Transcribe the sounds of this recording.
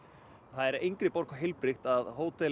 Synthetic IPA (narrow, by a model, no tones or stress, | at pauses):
θaðɛɾejŋkɾɪpɔɾ̥kʰɔɦɪlpɾɪxt̪aðɦoːwt̪ɛ